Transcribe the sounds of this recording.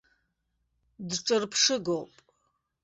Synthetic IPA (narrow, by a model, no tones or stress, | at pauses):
dʈ͡ʂʼɨrpʰʂɨɡoːpʼ